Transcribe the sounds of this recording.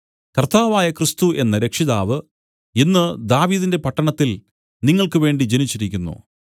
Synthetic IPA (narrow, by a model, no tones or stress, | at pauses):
kɐrt̪aːʋaːjɐkrɨst̪uʔe̞nːɐɾekʂiðaːʋɨ | enːɨd̪aːʋiːðinde̞pɐʈːɐɳɐt̪ːil | niŋːɐɭkɨʋe̞ːɳɖid͡ʑenit͡ɕːiɾikʲːunːṵ